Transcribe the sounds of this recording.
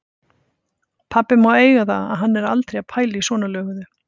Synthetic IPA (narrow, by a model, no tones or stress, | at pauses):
pʰapːɪmaweːjɣaθa̰a̰ðɦanːɛɾalt̪ɾejapʰaːjlɪisvɔːnalœːɣʏðʏ